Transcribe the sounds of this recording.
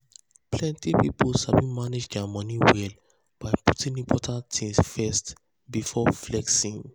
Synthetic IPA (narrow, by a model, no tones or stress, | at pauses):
pʰlɛ̃ntipipolʃabĩmaned͡ʒdɛamɔ̃niwɛl | b̥aɪputĩnĩpʰɔtʰãntʰĩnsfɛst | bifɔflɛksĩn